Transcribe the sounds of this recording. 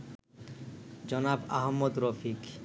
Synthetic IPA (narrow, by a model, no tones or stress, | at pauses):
d͡ʑɔnaba̰ɦmːod̪ɾofik